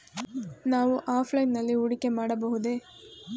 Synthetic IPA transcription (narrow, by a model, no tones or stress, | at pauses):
naːʋuʔaːpʰlɐjnːɐlːiuɽike̞maːɽɐbɐɦud̪eː